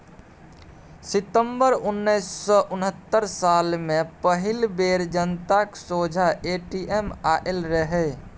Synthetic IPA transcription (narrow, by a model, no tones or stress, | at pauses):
sɪt̪əmbəɾʊnːəɪsːɔʔʊnɦət̪ːəɾsaːlmẽpəɦɪlbeːɾd͡ʒənt̪aksoːd͡ʒʱaeʈiʔemaʔelɾəɦɛ